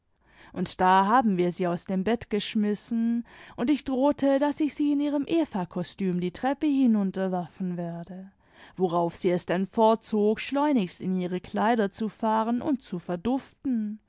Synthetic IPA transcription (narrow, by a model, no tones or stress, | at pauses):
ʔʊntd̥aːɦaːbm̩viːɐziːaʊsd̥eːmbɛtɡ̥əʃmɪsn̩ʔʊntɪçd̥ʁoːtʰədasɪçz̥iːɪniːʁəmʔeːfakʰɔstyːmdiːtʁ̥ɛpəhɪnʊntɐvɛɐfn̩vɛːɐdə | voʁaʊfz̥iːɛsd̥ɛnfɔɐt̚t͡soːkʃlɔʏnɪçstɪniːʁəkʰl̥aɪɾɐt͡sufaːʁənʔʊ̰nt̚t͡sufɛɐdʊftn̩